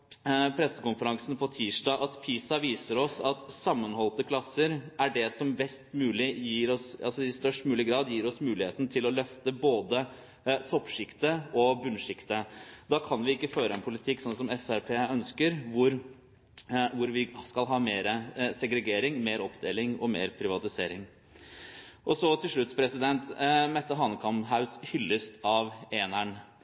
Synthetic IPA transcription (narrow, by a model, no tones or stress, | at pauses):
pʰɾɛsːəkʊnfəɾɑŋsnpʰɔt̪ʰiːʂʈɑːʔɑt̪pʰiːsɑʋiːsəɾɔsɑt̪sɑmːənhɔlt̪əkʰlɑsːəɾæɖɛsɔmbɛst̪mʉːlɪjiːɾɔsɑ̰lsɔɪst̪œʂʈmʉːlɪɡɾɑːd̪jiːɾɔsmʉːlɪheːt̪n̩t̪ʰɪlɔlœft̪əboːd̪ə | t̪ʰɔpːʂɪkt̪əɔbʉnʂɪkt̪əd̪ɑːkʰɑnʋɪɪkːəføːɾəɛnpʰʊlɪt̪ʰɪkːsɔnsɔmɛfæɾpʰeːœnskəɾʋʊɾ | ʋʊɾʋɪskɑlɦɑːmeːɾəsɛɡɾɛɡeːɾɪŋmeːɾɔpd̪eːlɪŋɔmḛːɾpʰɾɪʋɑt̪ɪseːɾɪŋ | ʔɔsɔt̪ʰɪlʂɭʉt̪ːpʰɾɛsɪd̪ɛnt̪mɛt̪ːəɦɑːnəkʰɑmɦaʉshʏlːəst̪ɑʋeːnæɳ